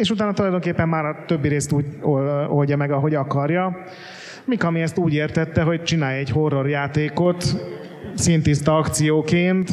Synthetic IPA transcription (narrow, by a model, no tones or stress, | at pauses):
eːʃut̪aːnɒt̪ulɒjd̪o̞ŋkeːpːɛmːaːɾɒt̪øbːiɾeːst̪uːɟoolɟɒmɛɡɒɦo̞ɟɒkɒrjɒ | mikɒmiɛst̪uːɟeːrt̪ɛt̪ːɛɦo̞c̚t͡ʃinaːjɛɟho̞rːo̞rjaːt̪eːko̞t̪ | sint̪ist̪ɒɒkt̪sijoːkeːnt̪